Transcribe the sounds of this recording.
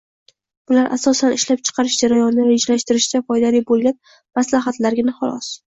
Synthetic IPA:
b̥ʊlaɾʔa̰sɒsanɪʃlap̚t͡ʃʰɨ̥qʰɑɾɪʃd͡ʒaɾajɒnɪɪd͡ʒlaʃt̪ɪɾɪʃd͡ʒ̪ʲafɒjd̪alibolˠɡʲan | maslaɦat̪laɾɡʲɪnaχalˠɒ̰s

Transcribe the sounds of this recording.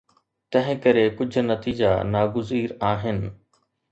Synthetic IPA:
t̪ɐ̃ɦɪ̃kɐɾekʊd͡ʑʱʊ̆nɐt̪iːd͡ʑanaːɡʊziːɾaːɦɪnɪ̆

